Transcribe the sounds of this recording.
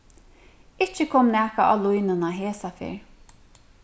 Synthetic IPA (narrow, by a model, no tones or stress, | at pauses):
ɪt͡ʃːəkʰɔmnæːkaʔɑ̰lʊjnənaɦeːsafɪ̰ɹ